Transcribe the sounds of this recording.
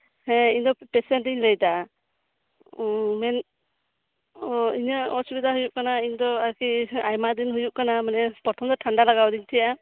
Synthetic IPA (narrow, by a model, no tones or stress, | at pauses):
hɛiɲd̪ɔpɛsɛnʈiɲləjt̪a | mɛn | iɲaɔsubid̪ʱaɦujuʔ̚kanaiɲd̪ɔaɾkiajmad̪inɦujuʔ̚kanamanɛpɔt̪ʰɔmd̪ɔʈʰaɳɖalaɡawd̪iɲt̪ʰijaʔa